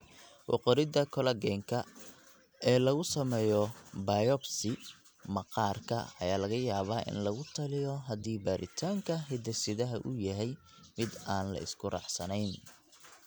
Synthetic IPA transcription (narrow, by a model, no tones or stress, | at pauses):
wʔɑ̰qɔɾɪðɐkʰɔlɐɡɛːŋkʰɐ | ɛːlɐɣʊsɐmɛːjɔbɐjɔbsɪ | mɐqɑːrkʰɐɐ̰jaːlɐɣɐjaːβaːʔɪ̰nlɐɣʊt̪ʰɐlɪjɔɦɐðiːbaːɾʔɪ̰t̪ʰaːŋkʰɐɦɪd̪ɐsɪðɐɦɐʔʊjɐɦɛj | mɪd̪aːnlɐ̰ɪ̰skʰʊrɑ̰ħsɐnɛjn